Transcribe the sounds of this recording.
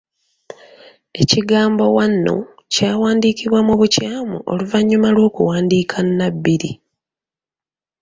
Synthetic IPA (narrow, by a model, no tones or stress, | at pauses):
e̞ciɡaːmbo̞wanːo̞̰ | caːwaːndiːkiβwamuβucaːmṵʔo̰luvaɲːumalwo̞ːkuwaːndiːkʰanːabːiɾḭ